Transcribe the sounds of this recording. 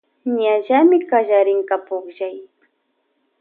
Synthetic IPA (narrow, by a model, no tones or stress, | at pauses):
ɲaʒamɪkaʒaɾɪŋkapoχʒaj